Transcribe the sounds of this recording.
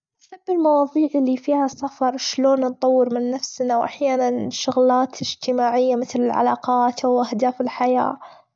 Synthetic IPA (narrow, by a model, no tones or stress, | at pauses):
sabːɪlmɑwɑːðˤiːʕɪlːifiːhasːafɑɾˤʃloːnnt̪ˤɑwːɪɾmɪnːafsnawʔa̰ħjaːnanʃʊɣlaːt̪ɪd͡ʒt̪ɪmaːʕɪjːamɪθlɪlʕa̰lɑ̰ːqɑːt̪awʔahd̪aːfɪlħaja̰ː